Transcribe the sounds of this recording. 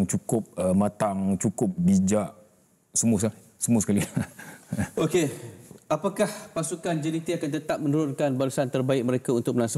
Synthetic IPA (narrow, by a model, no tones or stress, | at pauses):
ŋt͡ʃukʊp̚əmãt̪aŋt͡ʃukʊp̚bid͡ʒaʔ | səmus̬ | səmusəkali | okeapakahpasukand͡ʒənit̪iakant̪ət̪ap̚mə̃nuɾʊnkanbalusant̪ərbaɪk̚mə̃ɾekaunt̪ʊk̚məlansə